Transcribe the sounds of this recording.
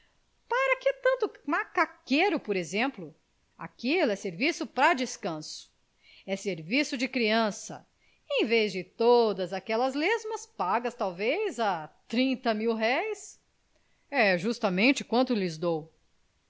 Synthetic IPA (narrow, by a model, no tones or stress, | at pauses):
paɾɐkɪt̪ɐ̃nt̪ʊmakakeɾʊpoɾezẽmplʊ | a̰kilʊɛseɾvisʊpɾɐd͡ʒɪskɐ̃sʊ̥ | ɛseɾvisʊd͡ʒɪkɾiɐ̃sɐ̰ | ẽj̃vezd͡ʒɪt̪od̪ɐzakɛlɐzlezmɐspaɡɐst̪awvejzat̪ɾĩnt̪ɐmiwɦɛjs | ɛʒust̪ɐmẽnt͡ʃɪkwɐ̃nt̪ʊlɪzd̪ow